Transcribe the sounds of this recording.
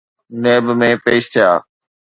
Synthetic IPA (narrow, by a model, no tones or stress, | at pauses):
neːbmẽːpeːʃt̪ʰɪjaː